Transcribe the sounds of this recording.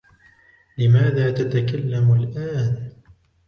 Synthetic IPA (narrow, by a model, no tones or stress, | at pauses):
lɪmaːðaːt̪at̪akalːamʊlʔaːn